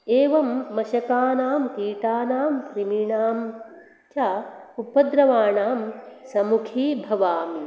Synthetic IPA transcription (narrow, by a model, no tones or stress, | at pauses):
eːʋɐmːɐʃɐkaːnaːmkiːʈaːnaːmkɾimiɳaːm | t͡ʃɐupːɐd̪ɾɐʋaːɳaːmsɐmukʰiːbʱɐʋaːmi